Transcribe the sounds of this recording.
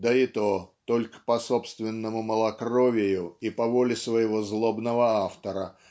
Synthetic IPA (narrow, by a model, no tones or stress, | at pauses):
d̪əɪt̪ot̪olʲkə̥pɐsopst̪vʲɪnːəmʊməlˠɐkrovʲɪjʊipɐvolʲɪsvəjɪvozlˠobnəvəaft̪əɾə